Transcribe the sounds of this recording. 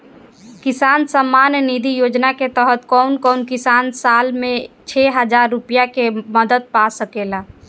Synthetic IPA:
kisansəmːanjnid̪ʱijod͡ʒnaket̪əɦət̪kɔʊnkɔʊnkisansalmẽt͡ʃʰɛɦəd͡ʒaɾːupijakeməd̪əd̪̚pasəkela

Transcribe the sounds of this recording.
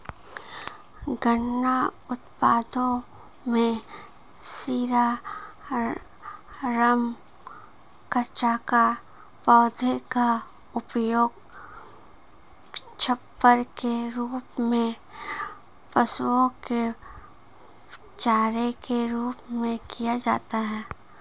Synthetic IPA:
ɡənːaʊt̪paːd̪õ | mẽ | siːɾa | ɾəm | kət͡ʃaːka | pɔːd̪ʱeka | ʊpjoːɡ | t͡ʃʰəpːəɾkeɾuːpmẽ | pəsuõke | t͡ʃaːɾekeɾuːpmẽkijad͡ʒa̰ːt̪aɦɛː

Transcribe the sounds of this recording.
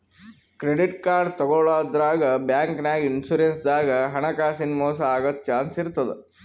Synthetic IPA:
kɾeɖiʈkaːɾɖt̪ɔɡɔɭaːd̪ɾaːɡɐbjaːŋknaːɡinsuɾensd̪aːɡɐɦɐɳɐkaːsinmɔːsɐaːɡɐt̪t͡ʃaːnsiɾut̪ːɐd̪e

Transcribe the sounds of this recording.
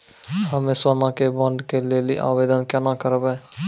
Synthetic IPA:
ɦəmẽswaːnãkebɔ̃ɳɖkeleːlḭʔa̰ːbeːd̪ənkɛnakəɾbɛː

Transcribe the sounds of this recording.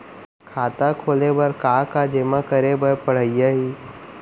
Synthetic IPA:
kʰaːt̪akʰoːlebəɾkaːkad͡ʒeːmakəɾebəɾpəɽ̤əɪjaɦiː

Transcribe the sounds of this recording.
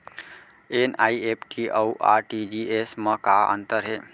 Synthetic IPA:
eːnaːieːpʈʰiʔawʔa̰ːɾʈid͡ʒiesmə̃kaə̰̃nt̪əɾɦeː

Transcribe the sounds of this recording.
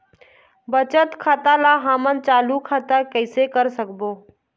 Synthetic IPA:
bət͡ʃət̪kʰaːt̪alaɦamənt͡ʃaːlukʰaːt̪akəɪsekəɾsəkboː

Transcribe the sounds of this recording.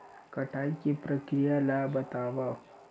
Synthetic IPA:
kɐʈʰaːikipɾəkɾijalabɐt̪aːʋa

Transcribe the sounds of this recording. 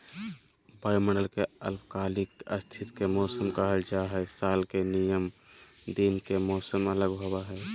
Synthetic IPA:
baːməɳɖəlkeə̰lbkaːlɪkə̰st̪ʰɪt̪kemɔːsəmkəɦəld͡ʒaɦɛsaːlkenijəmd̪iːnkemɔːsəmələɡɦowaɦɛː

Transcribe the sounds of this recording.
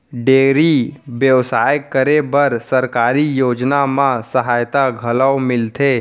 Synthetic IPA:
ɖeːɾiʋjəʋsaːjkːəɾebəɾsəɾkaːɾijoːd͡ʒnamãsəɦaːjt̪aɡʱələwmɪlt̪ʰe

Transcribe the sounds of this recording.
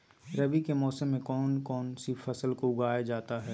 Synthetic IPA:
ɾɐbikemɔːsəmːẽkɔːnkɔːnsifɐsəlkoʊɡaːjad͡ʒaːt̪aɦɛː

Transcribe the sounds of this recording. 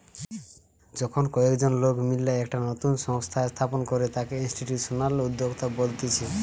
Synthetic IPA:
d͡ʒɔkʰɔnkɔekd͡ʒonlokmilːaɛkʈanɔt̪unsɔŋst̪ʰaest̪ʰaponkɔɾet̪akeinsʈiʈjuʈsɔnalud̪ːoɡt̪abolt̪it͡ʃʰi

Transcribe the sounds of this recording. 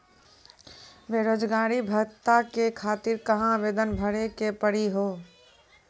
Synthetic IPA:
ʋeɾod͡ʒɡaɾibʱət̪akekʰat̪iɾkəɦãʋed̪ənbʱəɽekepəɽiɦo

